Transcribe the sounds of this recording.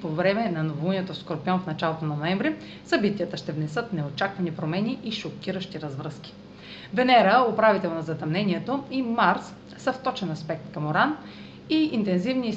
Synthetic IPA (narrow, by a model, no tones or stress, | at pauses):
povɾɛmɛnɐnovoluniɛt̪ofskoɾpiɔnfnɐt͡ʃalˠot̪onɐnoɛmvɾi | sɐbit̪iət̪əʃt̪ɛvnɛsɤt̪nɛot͡ʃakvɐnipɾomɛniʔiʃokʲiɾəʃt̪iɾɐzvɾəskʲi̥ | vɛnɛɾəopɾavit̪ɛlˠnɐzɐt̪ɐmnɛniɛt̪oimaɾs | səft̪ɔt͡ʃɛnɐspɛk̚t̪kɐmoɾan | iint̪ɛnzivni